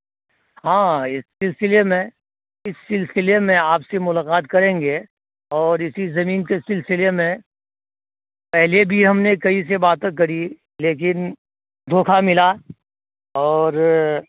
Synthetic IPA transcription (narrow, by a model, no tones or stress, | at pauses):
ɦãːɪssɪlsɪlemẽ | ɪsːɪlsɪlemẽaːpsemʊlaːqaːt̪kɐɾẽːŋɡe | ɔːɾɪsizɐmiːnkesɪlsɪlemẽ | pɛɦlebʱiɦɐmnekɐis̬ebaːt̪ẽkɐɾi | leːk̬ɪn | d̪ʱoːkʰamɪla | ɔːɾ